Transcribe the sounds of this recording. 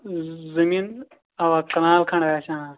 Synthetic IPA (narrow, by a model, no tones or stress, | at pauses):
zɐmiːn | ɐwaːkɐnaːlkʰɐɳʋaːsʰãː